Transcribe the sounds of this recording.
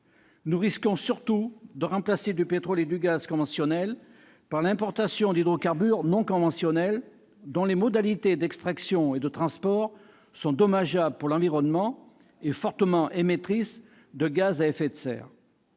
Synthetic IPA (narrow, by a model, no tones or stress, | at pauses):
nuʁiskɔ̃syʁt̪ud̪əʁɑ̃plased̪ypet̪χɔled̪yɡazkɔ̃vɑ̃sjɔnɛl | paʁlɛ̃pɔʁt̪asjɔ̃d̪id̪ʁokaʁbyʁnɔ̃kɔ̃vɑ̃sjɔnɛl | d̪ɔ̃lemɔd̪alit̪ed̪ɛkst̪χaksjɔ̃ed̪ət̪χɑ̃spɔʁ | sɔ̃d̪ɔmaʒabəpuʁlɑ̃viʁɔnmɑ̃ | efɔʁt̪əmɑ̃ʔemet̪χis | d̪əɡazaɛfet̪sɛ̰ːʁ